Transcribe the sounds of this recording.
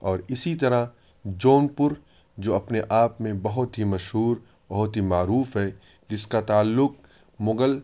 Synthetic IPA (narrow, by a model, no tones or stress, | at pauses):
ɔːɾɪsit̪ɐɾa | d͡ʒoːnpʊɾ | d͡ʒoːɐpneʔaːpmẽbɐɦʊt̪ɦimɐʃɦuːɾ | bɐɦʊt̪ɦimaːɾuːfɦɛː | d͡ʒɪskat̪aːlːʊk̚ | mʊɡəl